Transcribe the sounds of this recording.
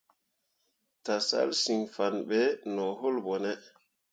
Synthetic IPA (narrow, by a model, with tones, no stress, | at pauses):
ta˨sa̰lsi˨ŋfanɓɛnɔ˨ɦo˦lbɔ˨nɛ